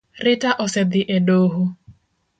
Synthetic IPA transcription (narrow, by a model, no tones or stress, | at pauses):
rɪtaʔɔsɛd̪ɪʔeɖoɦʊ